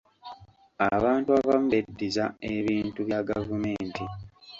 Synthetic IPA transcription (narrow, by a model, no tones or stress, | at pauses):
aβaːntuaβamuβedːizaeβiːntuβjaɡavume̞ːnti